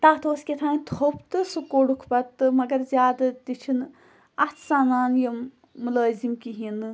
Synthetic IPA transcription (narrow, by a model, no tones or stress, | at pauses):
t̪aːt̪ʰoːskʲet̪ʰãːnt̪ʰobt̪ɨsɨkoɽukʰpɐt̪ːɨmɐɡɐɾzʲjaːd̪ɐt̪it͡ʃʰin | ɐt̪ʰsaːnaːnjɐmː | uləːzimkiɦinɨ